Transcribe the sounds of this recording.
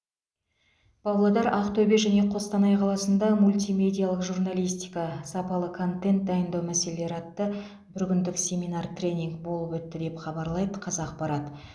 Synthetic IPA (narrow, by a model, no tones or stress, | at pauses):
b̥ɑwlˠɑd̪ɑɾɑqt̪ʰɵbeʒæne̞qʰo̞st̪ɑnɑjqʰɑlˠɑsənd̪ɑmulʲt̪ijmʲe̞d̪ʲijalˠəqʒurnalijst̪ijkɑsɑpɑlˠəkʰo̞nt̪e̞nt̪̚d̪ɑjənd̪ɑwmæse̞lele̞ɾɑt̪ːə | bʏɾɡʲɪnd̪ɪksʲe̞minɑrt̪rʲe̞nʲiŋkbo̞lˠəpwɵt̪ːɪd̪e̞pχɑbɑɾlˠɑjd̪əqʰɑzɑq̚pɑɾɑt̪